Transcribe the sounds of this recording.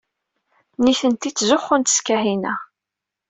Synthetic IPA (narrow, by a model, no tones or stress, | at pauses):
niθənt̪it͡sːzʊχːʊnt̪ə̥skæhinæ